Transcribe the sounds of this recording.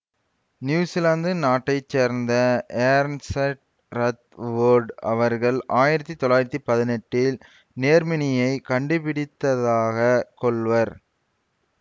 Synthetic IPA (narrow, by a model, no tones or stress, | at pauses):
njuːsɪlaːnd̪ɯnaːʈːɐɪt͡ʃːeːɾnd̪ɐeːɾnsɛʈ̚ | ɾɐt̪ʋoːɾɖɐʋɐɾɣɐɭaːjɪɾɐt̪ːit̪ɔɭaːjɪɾɐt̪ːipɐðɪnɛʈːɪl | neːɾmɪnɪjɐɪkɐɳɖɯpɪɽɪt̪ːɐðaːɣɐkɔɭʋɐɾ